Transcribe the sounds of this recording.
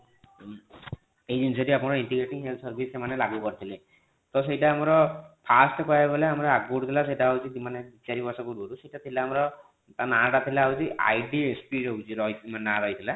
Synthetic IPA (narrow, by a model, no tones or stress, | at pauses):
ejd͡ʒensɔʈiapunɔɾiɳʈiɡɾeʈiŋɦelt̪ʰsɔɾbʱisemanelaɡukɔɾit̪ʰile | t̪ɔs̬ejʈaːmɔɾɔpʰasʈkɔjaɡɔleamɔɾɔaɡkoɽut̪ʰilas̬ejʈaaɦut͡ʃid̪imanebit͡ʃaɾibɔsakoɽuɔɾuseɦiʈat̪ʰilaːmɔɾɔ | t̪anaʈat̪ʰilaaut͡ʃiʔa̰jɖiespiɾɔut͡ʃiɾɔjt̪mannaɾɔɦit̪ʰila